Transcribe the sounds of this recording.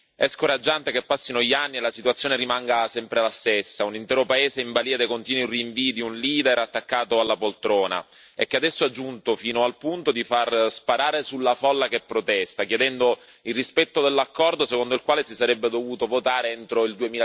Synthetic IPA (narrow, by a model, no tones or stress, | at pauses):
ɛskoɾad͡ʒːant̪ekepːasːinoʎːianːielasit̪uat̪sːjoːneɾimaŋɡasɛmpɾelast̪esːaunint̪ɛːɾopaeːzeiɱbaliːad̪ekont̪iːnwiriːɱviːd̪iunliːd̪eɾat̪ːakːaːt̪oalːapolt̪ɾɔːna̰ | ḛkːead̪ɛsːoad͡ʒːunt̪ofiːnoalpunt̪od̪ifarspaɾaːɾesulːafɔlːakepːɾot̪ɛst̪akjed̪ɛnd̪o | ilrispɛt̪ːod̪elːakːɔrd̪osekond̪oilkwaːlesisaɾɛbːed̪ovuːt̪ovot̪aːɾeent̪ɾoild̪uemiːla